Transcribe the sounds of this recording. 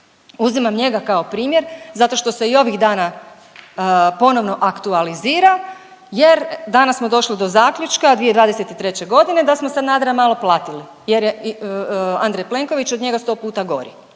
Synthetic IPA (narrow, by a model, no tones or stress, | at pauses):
uzimamɲe̞ɡakao̞pɾiːmje̞ɾzat̪o̞ʃt̪o̞se̞io̞ʋiɣd̪aːna | po̞no̞ʋno̞ʔakt̪ualiziːɾa | je̞ɾd̪anasmod̪o̞ʃlid̪o̞zaːkʎut͡ʃkad̪ʋijed̪ʋaːd̪e̞set̪it̪ɾe̞t͡ɕe̞ɡo̞d̪ine̞d̪asmosad̪naːd̪ɾamaːlˠo̞plˠaːt̪ili | je̞ɾje | and̪ɾejple̞ŋko̞ʋit͡ɕod̪ɲe̞ɡast̪o̞ːpuːt̪aɡo̞̰ɾḭ